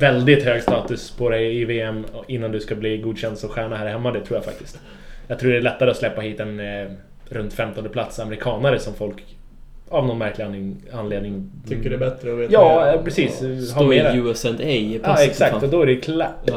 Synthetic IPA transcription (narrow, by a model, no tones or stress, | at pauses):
vɛld̪ɪt̪høːɡst̪ɑːt̪ɵspʰɔd̪ɛjɪveːɛmɪnːand̪ɵskabliːɡuːd̪ɕɛnd̪sɔɧæːɳaɦæːɾhɛmːad̪ɛt̪ʰɾuːjafa̰k̚t̪ɪ̥st̪ | jɑɡt̪ʰɾuːɖɛæɭɛt̪ːaɾəɔslɛpːahiːt̪ɛn | ɾɵnt̪fɛmt̪ɔnd̪əplat̪samɛɾɪkʰɑːnəɾəsɔmfɔlk | avnɔnmæɾklɪnɪanleːd̪nɪŋʰʏkːəɖɛbɛt̪ɾəɔveːjɑːpʰɾɛsiːshameʉːɛsɛnd̪ɛjpaɛksak̪̚ɔd̪ɔæɖɛkʰla